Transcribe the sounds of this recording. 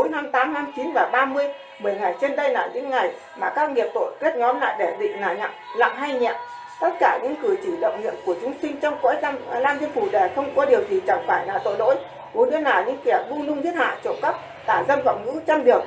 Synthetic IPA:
o˨˦jna˧mt̪aː˨˦mna˧mt͡ɕi˨˦nvaː˨˩ɓaː˧mɨ˧əj | ɓə˧˩jŋa˨˩jt͡ɕe˧nɗə˧jna̰ː˧˩ɲɨ̰˧˥ŋːa˨˩j | maː˨˩kaː˦˥k̚ŋi˨˩əp̚t̪o̰˧˨ki˦˥ət̚ɲɔ˨˦mla̰ː˧˨jɗe˧˩ɗḭ̈˧˨ŋ̟naː˨˩ɲa̰˧˨la̰ː˧˨ŋɦa˧jɲɛ̰˧˨m | t̪ə˦˥t̚kaː˧˩ɲɨ̰˧˥ŋkɨ˧˩ət͡ɕi˧˩lə̰˧˨wŋ͡mŋḭ˧˨əmku˧˩ət͡ɕʊ˨˦ŋ͡msï˧ŋ̟t͡ɕɔ˧wŋ͡mko̰˧˥˧laː˧nt̪i˧ənfu˧˩ɗe˨˩xə˧wŋ͡mkɔ˧ɗi˨˩əwt̪ʰi˨˩t͡ɕa˧˩ŋfaː˧˩jna̰ː˧˨t̪o̰˧˨jlo̰˧˥j | ko˨˦ɗɨ̰˧˦ənaː˨˩wɲɨ̰˧˥ŋkɛ˧˩əvu˧lʊ˧ŋzi˦˥ət̚ha̰ː˧˨t͡ɕo˧˩kə˦˥p̚ | t̪aː˧˩zə˧nfa̰ː˧˨wŋɨ̰˧˥t͡ɕə˧nɗi˨˩ək̚

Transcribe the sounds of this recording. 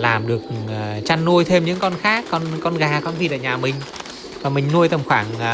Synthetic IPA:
laː˨˩mɗɨ˨˩ək̚ːt͡ɕa˧nːu˧əjt̪ʰe˧mɲɨ̰˧˥ŋkɔ˧nxaː˦˥kːɔ˧nkɔ˧nɣaː˨˩kɔ˧nvi˨˩tʔəː˧˩ɲaː˨˩mï˨˩ŋ̟ | vaː˨˩mï˨˩ŋ̟nu˧əjt̪ə˨˩mxwaː˧˩ŋ

